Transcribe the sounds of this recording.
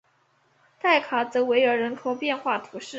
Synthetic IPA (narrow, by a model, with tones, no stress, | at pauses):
t̪ʰa˥˩ɪkʰa˨˥t͡sɤ˧˥we˧˥ɪə˞˧˥ɻə˧˥nkʰo˨˩ʊpjɛ˥˧nxwa˥˩t̪ʰu˧˥ʂɻ̩˥˩